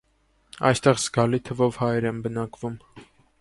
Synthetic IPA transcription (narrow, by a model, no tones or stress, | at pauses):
ɑ̰jst̪ɛʁzɡɑlit̪ʰəvɔvhɑjɾɛmbənɑkvum